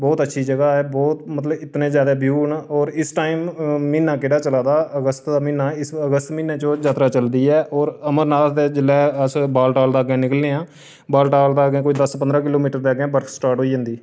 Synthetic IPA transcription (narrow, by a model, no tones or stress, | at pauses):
bɔːt̪ətːʃʰiːd͡ʒəɡaːɦɛːbɔːt̪mət̪ləbɪt̪nẽːzjaːd̪eːbjuːnɔːɾɪsʈaːiːmːiːnːãːkɪɽaːt͡ʃəlaːd̪aːəɡəst̪d̪aːmĩːnːaːɪsəɡəst̪mĩːnaːt͡ʃõd͡ʒaːt̪ɾaːt͡ʃəld̪iːɛːʔɔːɾəməɾnaːt̪d̪eːd͡ʒɪlɛːəsbaːlʈaːld̪aːɡẽːnɪkəlnẽːãː | baːlʈaːld̪aːɡẽːkoːiːd̪əspənd̪ɾãːkɪloːmiːʈəɾd̪eːɡẽːbəɾkʰsʈaːɾʈɦoːiːd͡ʒə̃ːnd̪iː